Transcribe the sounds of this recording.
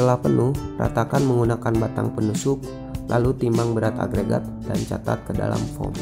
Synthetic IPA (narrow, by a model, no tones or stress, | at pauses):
əlahpənuhɾa̰t̪akanməŋɡunakanbat̪aŋpənusuk̚ | lʔalut̪imaŋbəɾat̪a̰ɡɾeɡa̰t̪̚dant͡ʃat̪a̰t̪̚kəda̰la̰mfɔ̰m